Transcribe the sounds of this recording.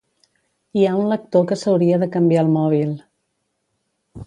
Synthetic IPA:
iaunlək̚t̪okəsəwɾiəðəkəmbiaəlˠmɔβ̞ilˠ

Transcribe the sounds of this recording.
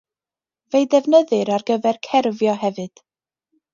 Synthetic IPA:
vejdɛvnəðɨɾarɡəvɛrkʰɛrvjɔɦɛvɨd̥

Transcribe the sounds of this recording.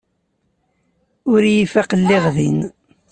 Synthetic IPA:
ʊɾjifæqəlːeʁðin

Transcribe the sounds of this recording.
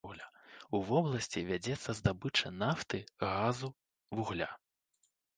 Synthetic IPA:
ɣlʲauvɔblˠɐsʲt͡sʲivʲad͡zʲɛt̪sːɐzd̪abɨt͡ʂɐnaft̪ɨɣazu | vuɣlʲa

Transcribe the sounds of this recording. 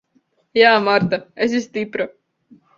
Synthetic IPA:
jaːmɑɾt̪ɑes̬ist̪ipɾo

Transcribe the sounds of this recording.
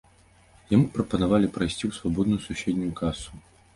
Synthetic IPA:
jamupɾɐpɐnavalʲipɾɐjsʲt͡sʲiwsvabɔd̪nujususʲed̪ʲnʲujukʰasu̥

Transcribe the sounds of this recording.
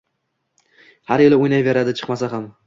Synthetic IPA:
haɾjɪlɪojnajve̞ɾad̪ɪt͡ʃʰɨ̥qmasaɦam

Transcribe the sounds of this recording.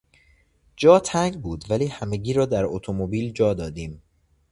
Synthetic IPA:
d͡ʒɒːt̪ʰæŋɡbuːd̪væliːhæmeɡiːɾɒːd̪æɾot̪ʰomobiːld͡ʒɒːd̪ɒːd̪iːm

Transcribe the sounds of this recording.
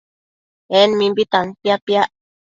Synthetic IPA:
enmĩmbit̪anpjapja

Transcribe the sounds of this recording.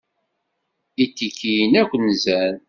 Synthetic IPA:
jit̪ːikʰːijnækʷːnːzæn

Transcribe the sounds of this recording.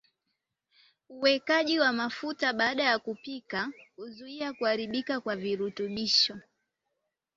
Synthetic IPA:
uwɛkaʄiwamafutaɓaːɗajakupikauzuiakuaɾiɓikakwaviɾutuɓiʃɔ

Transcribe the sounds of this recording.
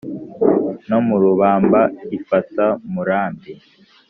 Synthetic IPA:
nomuɾuβaːmbaifatamuɾaːmbi

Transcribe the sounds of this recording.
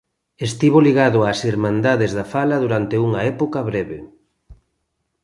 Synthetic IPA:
est̪iβ̞oliɣaðoasiɾmãnd̪aðezðafalɐðuɾant̪euŋaɛpokɐβɾɛβḛ

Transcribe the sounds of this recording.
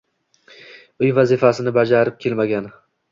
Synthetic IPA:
ʊjvazɪfasɪnɪbad͡ʒaɾɪp̚kʲʰe̞lmaɡʲan

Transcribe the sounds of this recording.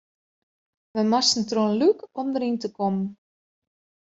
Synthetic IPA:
ʋəmasn̩tronlykɔmdəɾintəkɔmn

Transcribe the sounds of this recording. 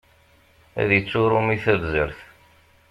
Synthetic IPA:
æ̰ðjət͡sːʊɾˤʊmiθævzəɾθ

